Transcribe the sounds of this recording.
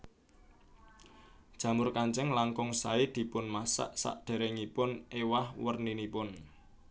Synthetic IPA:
d̥ʒ̥ä̤mʊrkaɲt͡ʃəŋlaŋkʊŋsaid̪̥i̤pʊnmasa̰ʔsa̰ʔɖ̪̥e̤ɾeŋipʊnewahwərninipʊn

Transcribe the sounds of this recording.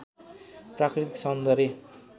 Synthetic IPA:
prakɾit̪i̥ksʌnd̪ʌɾe

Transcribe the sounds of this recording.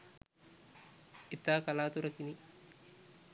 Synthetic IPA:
it̪aːkalaːt̪uɾɐkini

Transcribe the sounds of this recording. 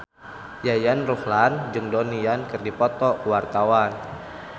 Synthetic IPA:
jajanruhland͡ʒɨŋdɔnijankɨrdipɔt̪ɔwart̪awan

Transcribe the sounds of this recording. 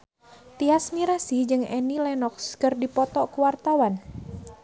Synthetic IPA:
t̪iasmiɾasid͡ʒɨŋɛnilɛnɔkskərdipɔt̪ɔʔkuwart̪awan

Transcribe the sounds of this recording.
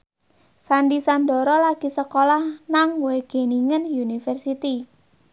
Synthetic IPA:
sandisandɔ̤ɾɔlaɡ̥i̤səkolahnaŋweɡ̥eniŋənjunifərsit̪i

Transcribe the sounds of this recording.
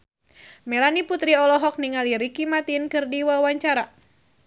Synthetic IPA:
mɛlaniput̪ɾiɔlɔɦɔk̚niŋaliɾikimat̪inkɨrdiwawaɲt͡ʃaɾa

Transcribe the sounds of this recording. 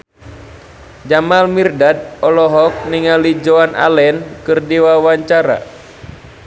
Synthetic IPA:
d͡ʒamalmirdad̚ɔlɔɦɔk̚niŋalid͡ʒoanʔa̰lɛnkɨrdiwawaɲt͡ʃaɾa̰

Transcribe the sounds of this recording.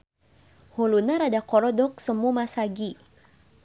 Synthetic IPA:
hulunaɾadakɔɾɔdɔk̚səmumasaɡi

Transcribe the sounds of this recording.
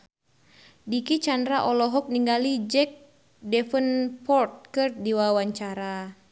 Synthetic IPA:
dikit͡ʃandɾaʔɔlɔɦɔk̚niŋɡalid͡ʒɛk̚ | dɛfənpɔrt̪̚kərdiwawaɲt͡ʃaɾa

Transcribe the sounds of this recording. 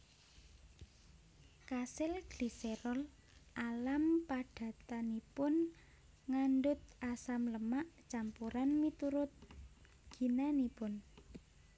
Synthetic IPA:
kasɪlɡ̥lisɛɾɔl | ʔalampaɖ̥ä̤t̪anipʊn | ŋanɖʊt̪̚asamləmaʔt͡ʃampuɾanmit̪uɾʊt̪̚ | ɡ̥i̤nanipʊn

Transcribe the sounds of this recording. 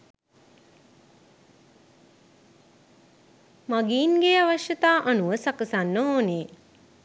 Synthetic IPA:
maɡiːnɡeaʋaʃjət̪aːʔanuʋəsakəsanːəɦoːneː

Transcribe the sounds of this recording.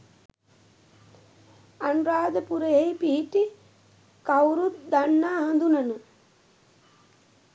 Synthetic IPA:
anuɾaːd̪əpuɾejejpiɦiʈi | kawɾut̪̚d̪anːaːɦɐ̃nd̪unənə

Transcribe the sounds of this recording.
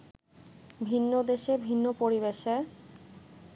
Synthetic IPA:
bʱinːod̪eʃebʱinːopoɾibeʃe

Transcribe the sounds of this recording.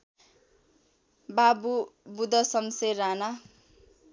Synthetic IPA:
babubud̪ʌsʌmseɾana

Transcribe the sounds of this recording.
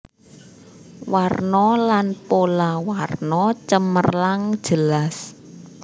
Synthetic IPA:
warnɔlanpolawarnɔt͡ʃəmərlaŋ̥ʒ̥əlas

